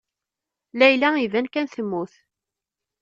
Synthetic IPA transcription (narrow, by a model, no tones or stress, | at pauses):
læjlæivænkænθəmːuθ